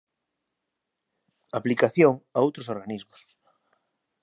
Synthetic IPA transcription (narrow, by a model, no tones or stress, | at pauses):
aplikaθjoŋaowt̪ɾosoɾɣanizmos